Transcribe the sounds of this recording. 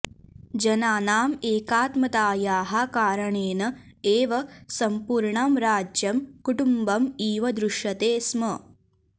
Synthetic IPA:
d͡ʒɐnaːnaːmeːkaːt̪mɐt̪aːjaːɦɐkaːɾɐɳeːnɐ | eːʋɐsɐmpuːɾɳaːmɾaːd͡ʒjɐmkuʈumbɐmiːʋɐd̪ɾuʂjɐt̪eːsmɐ

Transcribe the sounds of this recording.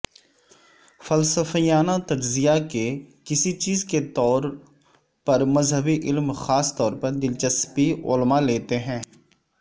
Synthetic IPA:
fɐlsəfijaːnat̪ɐd͡ʒzijakekɪsit͡ʃiːzket̪ɔːɾ | pɐɾmɐzɦəbiʔɪlmxaːst̪ɔːɾpɐɾd̪ɪlt͡ʃɐspiʊ̰lmaleːt̪eɦɛ̃ː

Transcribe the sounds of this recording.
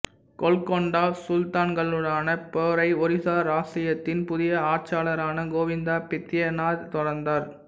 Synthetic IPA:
kɔɭkɔɳɖaːsʊlt̪aːnɡɐɭɯɽaːnɐpɔɾɐɪɔɾɪsaːɾaːsɪjɐt̪ːɪnpʊðɪjɐaːt͡ʃaːlɐɾaːnɐɡoːʋɪnd̪aːpɪt̪ːɪjɐnaːɾt̪ɔɽɐɾnd̪aːɾ

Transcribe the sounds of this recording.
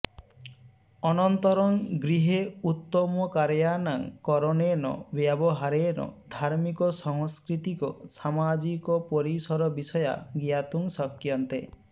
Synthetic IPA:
ɔnɔnt̪ɔɾɔŋɡɾiɦeut̪ːɔmɔkaɾjanaŋkɔɾɔnenɔ̰bjabɔɦaɾenɔ̰d̪ʱaɾmikɔsɔŋskɾit̪ikɔsamad͡ʒikɔpɔɾisɔɾɔbisɔja̰ɡijat̪uŋsɔkːjɔnt̪e

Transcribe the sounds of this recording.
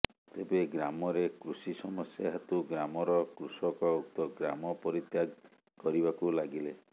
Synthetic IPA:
t̪ebeɡɾamɔɾekɾusisɔmɔsjaɦat̪uɡɾamɔɾɔkɾusɔkɔuk̚t̪ɔɡɾa̰mɔpɔɾit̪jaɡ | kɔɾibakulaɡile

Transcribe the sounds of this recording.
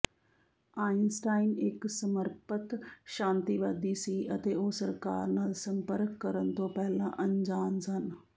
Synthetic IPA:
aːɪnsʈaːinɪksəməɾpət̪ʃãːnt̪iːʋaːd̪iːsiːʔət̪eːoːsəɾkaːɾnaːlsəmpəɾkːəɾənt̪õːpɛːlã̰ːʔəɲd͡ʒaːnsən

